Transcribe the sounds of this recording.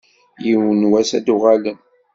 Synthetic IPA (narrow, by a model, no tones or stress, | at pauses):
jiwənwæsæd̪uʁalən